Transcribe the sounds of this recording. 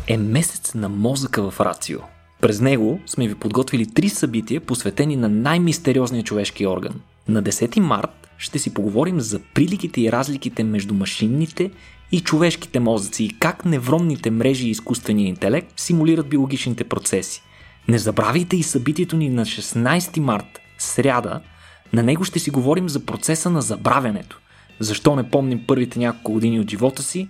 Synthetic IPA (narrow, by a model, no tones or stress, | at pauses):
ɛmɛsɛ̥t̪snɐmɔzəkəvɐfɾa̰t̪sḭo̰ | pɾɛznɛɡosmɛvipod̪ɡɔt̪vilit̪ɾisɐbit̪iəposvɛt̪ɛninɐnajmist̪ɛɾiɔznijət͡ʃovɛʃk̟iɔɾɡə̰n | nɐd̪ɛsɛt̪ima̰ɾt̪ | ʃt̪ɛsipoɡovɔɾimzɐpɾilikit̪ɛiɾazlik̟it̪ɛmɛʒd̪umɐʃinːit̪ɛ | it͡ʃovɛʃki̥t̪ɛmɔzət̪siːkaknɛvɾɔmnit̪ɛmɾɛʒiːskust̪vɛnijəint̪ɛlɛk̚t̪simuliɾət̪̚biolˠoɡʲit͡ʃnit̪ɛpɾot̪sɛsi̥ | nɛzɐbɾavit̪ɛisɐbit̪iɛt̪oninɐʃɛsnajst̪imaɾt̪ | sɾʲad̪ə̰ | nɐnɛɡoʃt̪ɛsiɡovɔɾimzɐpɾot̪sɛsənɐzɐbɾavʲɐnɛt̪o̥ | zɐʃt̪ɔnɛpɔmnɛmpɤɾvit̪ɛnʲakolˠkʊɡod̪iniod̪ʒivɔt̪əsi